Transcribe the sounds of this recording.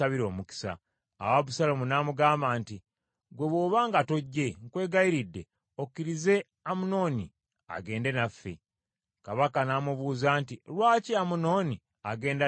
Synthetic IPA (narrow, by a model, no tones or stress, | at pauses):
aβiɾo̞ːmuki̥sa̰ː | woβusalamunaːmuɡaːmbaːnti | ɡwe̞βo̞ːβaːŋɡato̞ɟːe̞ŋkwe̞ːɡaiɾidːe̞ | okːiɾize̞ | amuno̞ːni | a̰ɡe̞ːnde̞nafːḛ | kaβakanaːmuβuːzaːntilwaːciamuno̞ːni | aɡe̞ːnda